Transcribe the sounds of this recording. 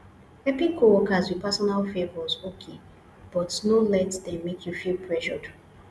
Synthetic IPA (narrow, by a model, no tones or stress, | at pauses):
ɛpĩkʰowɔkazwipasɔnalfevɔzokʰe | b̥ɔtnolɛtdɛ̃mːekʰjufilpʰɹɛʃɔd